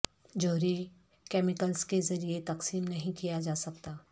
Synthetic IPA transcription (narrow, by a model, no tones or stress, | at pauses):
d͡ʒoːɦɾi | kɛːmɪkəlskezɐɾiet̪ɐqsiːmnɐɦĩkijad͡ʒaːsɐkt̪aː